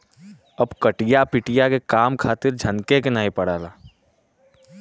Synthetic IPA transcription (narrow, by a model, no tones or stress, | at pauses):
ɐbkɐʈijapɪʈɪjakekaːmkʰaːt̪ɪɾd͡ʒʱɐnkekenaːipɐɽaːlaː